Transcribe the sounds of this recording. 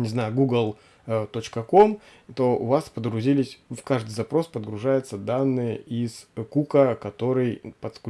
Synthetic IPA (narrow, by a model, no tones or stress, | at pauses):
nʲɪznajɡuɡəlˠ | t̪o̞t͡ɕkəko̞m | t̪o̞ʊ̰vaspəd̪ɾʊzʲilʲɪsʲkaʐd̪ɨjzɐpɾo̞spəd̪ɡɾʊʐajʊt̪səd̪anːɨjəʔiz̥kukəkɐt̪o̞ɾɨjpət̪sk